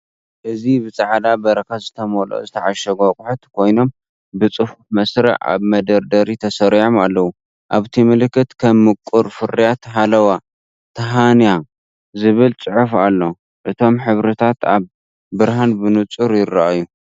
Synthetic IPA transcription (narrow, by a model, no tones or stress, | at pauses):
ʔɨzibɨt͡sʼaʕd̪abɐɾɐkazɨt̪ʰɐmolo̰zɨt̪ʰɐʕaʃɐɡokʼʊħut̪kʰo̞jno̞m | bɨt͡sʼɨfufmɐsɾɐ̰ʕa̰βmɐd̪ɐɾd̪ɐɾit̪ʰɐsɐɾʕomalːɐwu | ʔaβt̪ʰimɨlkːɨt̪kʰɐmːɨkʼːuɾfɨɾijat̪ɦalɐwa | t̪ʰɐɦanja | zɨβɨlt͡sʼɨʕufalːo̞ | ʔɨt̪ʰo̞mħɨβɾɐt̪ʰat̪a̰β | bɨɾɦanbɨnɨt͡sʼuɾjɪrːaʔaju